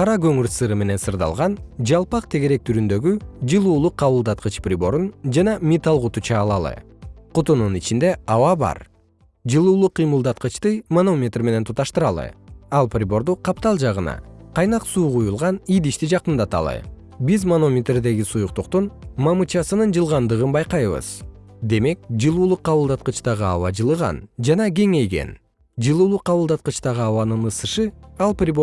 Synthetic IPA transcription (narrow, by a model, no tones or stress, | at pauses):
qʰɑɾɑɡøŋyɾsɯɾɯme̞ne̞nsɯɾd̪ɑ̰lˠʁɑnd͡ʒɑlˠpɑqt̪ʰe̞ɡe̞ɾe̞k̚t̪ʰyɾynd̪ø̞ɡyd͡ʒɯlˠuːlˠuqʰːɑβulˠd̪ɑt̪̚qɯt͡ʃprʲibo̞ɾund͡ʒɑnɑmʲit̪ɑlˠʁut̪ut͡ʃʰɑːlˠɑlˠɯ̰ | qʰut̪ununit͡ʃind̪e̞ɑwɑbɑ̰ɾ | d͡ʒɯlˠuːlˠuqʰːijmɯlˠd̪ɑt̪qɯt͡ʃt̪ɯmono̞mʲet̪rme̞ne̞nt̪ʰut̪ɑʃt̪ɯɾɑlˠɯ̰ɑlˠprʲibo̞ɾd̪uqʰɑpt̪ɑlˠd͡ʒɑʁɯnɑ̰qʰɑjnɑqsuːʁujulˠʁɑnijd̪iʃt̪id͡ʒɑqɯnd̪ɑt̪ɑ̰lˠɯ̰ | bizmono̞mʲet̪rd̪e̞ɡisujuq̚t̪uqt̪unmɑmɯt͡ʃɑsɯnɯnd͡ʒɯlˠʁɑnd̪ɯʁɯnbɑjqɑjβɯ̰z̥d̪e̞me̞k̚d͡ʒɯlˠuːlˠuqːɑβɯlˠd̪ɑt̪̚qɯt͡ʃt̪ɑʁɯɑ̰wɑ̰d͡ʒɯlˠɯʁɑ̰nd͡ʒɑnɑɡʲe̞ŋe̞jɡe̞̰n | d͡ʒɯlˠuːlˠuqʰːɑβɯlˠd̪ɑt̪qɯt͡ʃt̪ɑʁɯɑwɑnɯnɯsɯʃɯɑlˠprʲib